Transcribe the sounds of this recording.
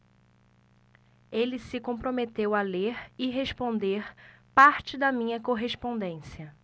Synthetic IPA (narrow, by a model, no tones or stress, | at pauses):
elɪsɪkõpɾomet̪ewɐleɾɪɦeʃpõnd̪eɾpaɾt͡ʃɪd̪ɐmĩɲɐkoɦespõnd̪ẽsiɐ